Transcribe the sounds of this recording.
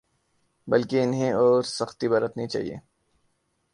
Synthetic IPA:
bɐlkeɪnɦẽɔːɾsɐxt̪ibɐɾət̪nəĩt͡ʃa̰ːɦḭḛː

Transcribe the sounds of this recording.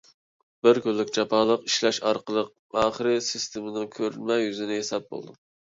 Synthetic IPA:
b̥ɪɾkʲʰølːɪkʲd͡ʒɑpʰɑːlˠəqiʃlɛʃɑɾqəlˠəq̚ɑːχəɾɨsɪst̪ʰɪmɪnɪŋkʲʰøɾynmɛjyzɪnɪjesɛp̚bo̰lˠd̪u

